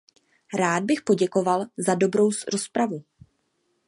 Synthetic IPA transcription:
ɾaːd̚bɪxpo̞ɟɛko̞valzado̞bɾo̞wsɾo̞spɾavu

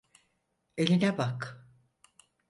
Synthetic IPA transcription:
e̞lʲinɛbak

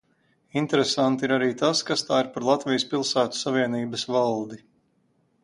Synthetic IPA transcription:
int̪ɛɾesant̪iiɾaɾiːt̪askast̪aːiɾpaɾlˠat̪vijspilˠsæːt̪u̥saviɛniːbɐsvalˠd̪i

